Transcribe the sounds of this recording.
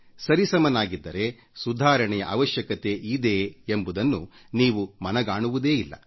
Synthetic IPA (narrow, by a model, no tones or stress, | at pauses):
sɐɾisɐmɐnaːɡid̪ːɐɾe̞ | sud̪ʱaːɾɐɳɛjɐʔaːʋɐʃjɐkɐt̪e̞ʔid̪e̞ːmbud̪ɐnːuniːʋumɐnɐɡaːɳuʋud̪e̞ːilːɐ̰